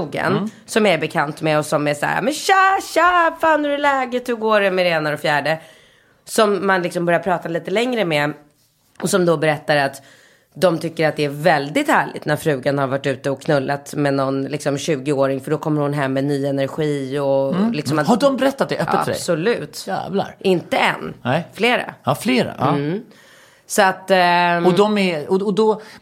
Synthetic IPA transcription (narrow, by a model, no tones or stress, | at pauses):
uɡə̰n | sɔmjæbɛkʰant̪mɛɔsɔmæʂa̰ːɾa̰mɛnʃaːɕaːfaːnhɵɾɛlɛːɡət̪hɵɡoːɾɛmɛɾɛeːnaɾɔfjæːɖə | sɔmːanlɪksɔmbœɾjaɾpʰɾɑːt̪aliːt̪əlɛŋɾəmɛ | ɔsɔmd̪ɔbɛɾɛt̪ːaɾat̪ | d̪ɔmt̪ʰʏkːəɾat̪̚d̪ɛæɾvɛld̪ɪt̪hæːɭɪ̰t̪næɾfɾʉ̟ːɡanhaɾvaʈːʉ̟ːt̪əɔkʰːnɵlːat̪mɛnɔnlɪksɔmɕʉ̟ːɡɪoːɾɪŋfœɖɔkʰɔmːəɾhʊnɦɛmːɛnyːɛnæɾɧiːɔlɪksɔmahaɖdɔmbɛɾɛt̪ːat̪̚d̪ɛʔœːəa̰fœɖɛ̰sɔlʉ̟ːt̪æ̰ːvla̰ɾɪnt̪əɛ̰nːnɛfleːɾa̰fleːɾa̰ | sɔat̪ːɔd̪ɔmɛɔɔd̪ɔ